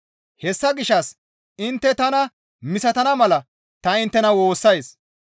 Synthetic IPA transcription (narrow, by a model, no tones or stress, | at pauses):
hɛsːɐɡɪʃːɐs | ɪnt̪ːɛt̪ɐnɐ | mɪsɐt̪ɐnɐmɐlɐ | t̪ɐɪnt̪ːɛnɐwo̞ːsːɐjs